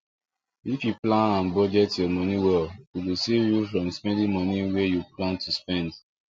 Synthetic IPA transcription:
ifjuplãnãnbɔd͡ʒɛtjɔmɔniwɛlwiwusevjufɹɔ̃mspɛ̃ndĩŋmɔniwejuplãntʰuspɛ̃nd

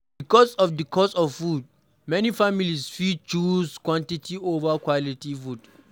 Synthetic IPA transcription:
bikɔsɔfdəkʰɔsɔffud̚ | mɛnifamilisfit͡ʃuskwãntitʰiovakwalitifud

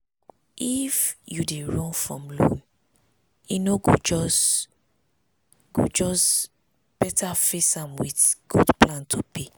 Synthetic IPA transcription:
ifjudeɹɔ̃nfɹɔ̰̃mlõ̰n | inoɡod͡ʒɔs | ɡ̥o̰d͡ʒɔs | b̥ɛtʰafesãmwitɡ̥udplãntʰupʰe

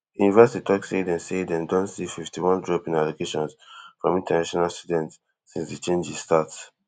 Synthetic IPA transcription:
junivɛsititʰɔksedɛ̃nsedɛ̃ndɔ̃nsififtiwɔ̃ndɹɔpĩnalokeʃɔ̃nsfɹɔ̃mĩntanaʃɔnalstudɛ̃nt | sĩnsdit͡ʃẽnd͡ʒistats

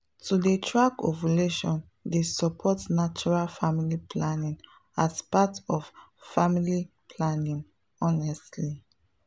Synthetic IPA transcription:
tʰudetʰɹakɔ̰vəleʃɔ̃n | desɔpʰɔtnat͡ʃuɹalfamilipʰlanĩŋ | aspatɔffamili | pʰlanĩŋ | ɔnɛstli

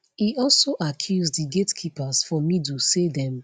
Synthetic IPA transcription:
iɔlsoʔakʰjuzddiɡetkʰipazfɔmĩt̬usedɛ̃m

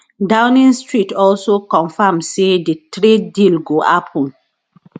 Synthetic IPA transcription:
dãʊnĩnstɹitɔlsokɔ̃nfamssedətɹidilɡoʔa̰pʰɔ̃n

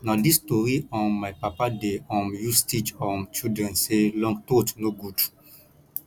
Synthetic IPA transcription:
nadistɔɾiɔ̃nmaɪpapadeɔ̃njustit͡ʃɔ̃nt͡ʃidɹɛ̃nselɔ̃ŋɡtotnoɡud

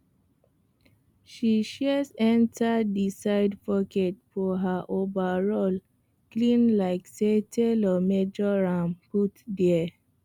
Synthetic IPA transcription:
ʃiʃizɛ̃ntʰadisaɪdpɔkɛtfɔɦaʔovaɹol | klĩnlaɪksetʰelɔmed͡ʒɔɹãmputdɛɛ

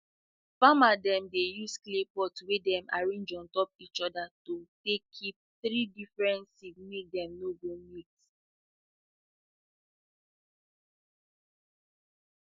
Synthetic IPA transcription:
famadɛ̃mdejusklepɔtwedɛ̃ma̰ɹĩnd͡ʒɔ̃ntɔp̚it͡ʃɔdatotekʰːip̚θɾidifɹɛ̃ntsimek̚dɛ̃mnoɡomit

